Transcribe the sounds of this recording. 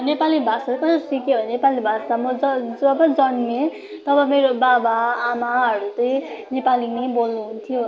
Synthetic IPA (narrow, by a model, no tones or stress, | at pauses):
nepalibʱasalekʌsʌsikeɦonepalibʱasamʌd͡zʌd͡zʌbʌd͡zʌnme | t̪ʌbʌmeɾobabaːmaɦʌɾut̪ʌjnepalinʌbolnuɦunt̪ʰijo